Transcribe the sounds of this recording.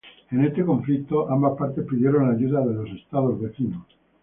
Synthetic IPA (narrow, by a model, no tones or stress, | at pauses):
enet̪ːekoɱflit̪ːoʔambapːaɾt̪epid͡ʒoɾeunajut̪̬ad̪elosest̪alozveθiːno